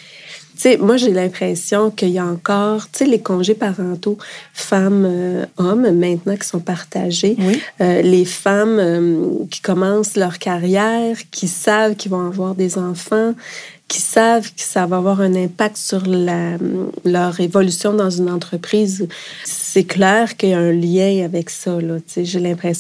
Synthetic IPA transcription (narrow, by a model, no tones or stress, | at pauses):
t̪t͡semwaʒelɛ̃pχɛsjɔ̃kəijaɑ̃kɔːʁt̪t͡selekɔ̃ʒepaʁɑ̃t̪ofamøɔmːɛ̃t̪nɑ̃kʲi̥sɔ̃paʁt̪aʒewiølefamøkʲi̥kɔmɑ̃slœʁkaʁjɛːʁkʲʰisavkʲilvɔ̃avwaːʁd̪ezɑ̃fɑ̃ | kʲʰi̥savkə̥savaavwaːʁɛ̃nɛ̃pak̚t̪syʁlalœʁevɔlysjɔ̃d̪ɑ̃zynɑ̃t̪χəpχiːz | sɛklɛːʁkəjaɛ̃ljɛ̃avɛksʌlɔt͡seʒelɛ̃pχes